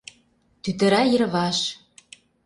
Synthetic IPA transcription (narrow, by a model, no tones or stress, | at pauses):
t̪yt̪ə̆ɾæjə̆ɾβɑʃ